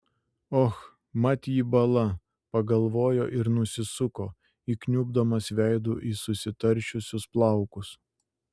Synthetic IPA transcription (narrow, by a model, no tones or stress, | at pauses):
ɔx | mɐt̪ʲjiːbɐlˠɐ | pɐɡɐlˠʋoːjoːʔɪɾnʊsʲɪsʊkoː | iːknʲubd̪ɐmɐsʋʲæɪd̪uːʔiːsʊsʲɪt̪ɐɾʲˑt͡ʃʲʊsʲʊsplˠɑˑʊkʊs